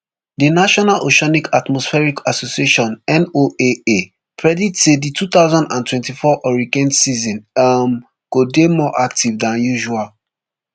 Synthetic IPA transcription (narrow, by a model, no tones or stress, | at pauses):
dinaʃɔnalʔoʃɔnikʰatmɔsfɛɹikʰasosieʃɔ̃nɛ̃noee | kʰɹɛditseditut̪aʊzãndãntwɛ̃ntifɔʔɔɹikɛ̃ndsizɔ̃nam | kodemɔʔak̚tʰivdãnjuʒual